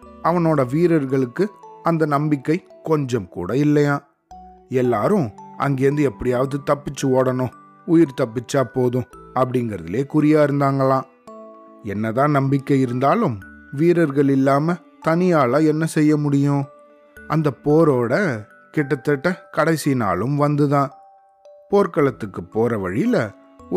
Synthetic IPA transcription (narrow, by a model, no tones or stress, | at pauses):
ɐʋɐnoːɽɐʋiːɾɐɾɣɐɭɯkːɯɐnd̪ɐnɐmbɪkːɐɪkɔɲd͡ʒɐmkṵːɽɐɪlːɐjãː | ɛlːaːɾʊ̃ʔɐ̰ŋɡeːɾɐnd̪ɯɛpːɐɽɪjaːʋɐðɯt̪ɐpːɪt͡ʃːɯoːɽɐnʊ̃ | ʊjɪɾt̪ɐpːɪt͡ʃːaːpoːðʊ̃ɐpːɐɽɪŋɡɪɾɐðɪ̰leːkʊɾɪjaːɪɾɯnd̪aːŋɡɐɭãː | ɛnːɐðãːnɐmbɪkːɐɪɾɯnd̪aːlɯmʋiːɾɐɾɣɐɭɪlːaːmɐ | t̪ɐnɪjaːlaːɛnːɐsɛjːɐmʊɽɪjʊ̃ | ɐnd̪ɐpːoːɾoːɽɐ | kɪʈːɐt̪ːɐʈːɐkɐɽɐɪsɪna̰ːlɯmʋɐnd̪ɯðãː | poːɾkɐɭɐt̪ːɯkːɯpːoːɾɐʋɐɻɪlɐ